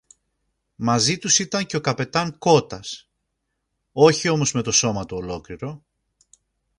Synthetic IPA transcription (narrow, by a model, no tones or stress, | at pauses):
mɐzit̪usit̪ɐɲce̞o̞kɐpe̞t̪ɐŋko̞t̪ɐs | o̞çio̞mo̞zme̞t̪o̞so̞mɐt̪uolo̞kliɾo̞